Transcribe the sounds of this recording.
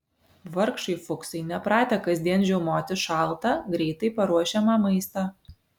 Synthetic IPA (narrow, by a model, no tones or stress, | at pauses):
ʋɐɾkʃɐɪfʊksɐɪnʲɛpɾɑːt̪ʲɛkɐzʲd̪ʲiɛnʒʲɛʊmoːt̪ʲɪʃɑˑlˠt̪ɑɡɾʲɛɪt̪ɐɪpɐɾuɔʃʲɛmɑːmɐɪst̪ɑː